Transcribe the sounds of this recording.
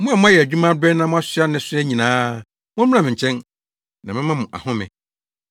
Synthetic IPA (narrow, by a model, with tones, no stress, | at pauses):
mʊ̃˦a˨mʊ̃˦a˦jɛ˨æ˨d͡ʑᶣu˦mã˦dɛ˦nã˦mʊ̃˦a˦sɪ˦a˦nɪ̃˨sʊ˦ɛ˦ɲĩ˨nãː˦ | mʊ̃˦m˦ã˦mɪ̃˨ɲ˨t͡ɕʰɛ̃˦n | nã˨mɪ̃˦mã˦mʊ̃˨ʔa̰˨hʊ̃˦mɪ̰̃˨